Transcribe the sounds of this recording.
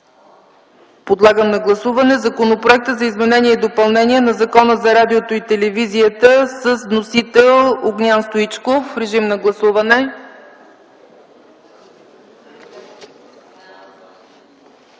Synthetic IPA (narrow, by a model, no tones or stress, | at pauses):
pod̪lˠaɡəmnɐɡlˠɐsuvɐnɛzɐkonopɾoɛk̚t̪əzɐizmɛnɛniɛid̪opɐlˠnɛnʲiɛnɐzɐkɔnəzɐɾad̪iot̪oit̪ɛlɛviziət̪əsəzvnosit̪ɛlˠoɡnʲanst̪oit͡ʃkofɾɛʒimnɐɡlˠɐsuvɐnɛ